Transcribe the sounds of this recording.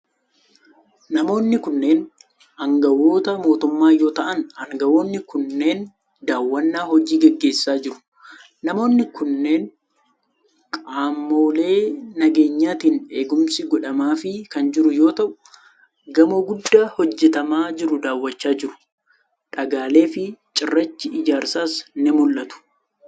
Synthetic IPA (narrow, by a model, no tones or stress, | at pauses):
nɐmo̞ːnːɪkʊnːe̞ːn | ɐŋɡɐwo̞ːt̪ɐmo̞ːt̪ʊmːaːjo̞ːt̪ɐʔɐnɐŋɡɐwo̞ːnːɪkʊnːe̞ːn | d̪aːwːɐnːaːhɔd͡ʒiːɡɛɡːe̞ːsːaːd͡ʒɪɾʊ̥ | nɐmo̞ːnːɪkʊnːe̞ːn | kʼaːmːoːle̞ːnɐɡe̞ːɲːaːt̪ɪne̞ːɡʊmsɪɡɔᶑɐmaːfɪkɐnd͡ʒɪɾʊjo̞ːt̪ɐʔʊ̥ | ɡɐmoɡʊd̪ːaːhɔd͡ʒːɛt̪ɐmaːd͡ʒɪɾʊd̪aːwːɐt͡ʃːaːd͡ʒɪɾʊ̥ | ᶑɐɡaːle̞ːfɪt͡ʃʼɪrːɐt͡ʃːɪɪd͡ʒaːɾsaːsnɛmʊlːɐt̪ʊ̥